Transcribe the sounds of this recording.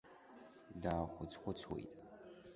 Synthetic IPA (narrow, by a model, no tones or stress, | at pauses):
daːχʷʊt͡sʰʼχʷʊt͡sʰwḛjtʼ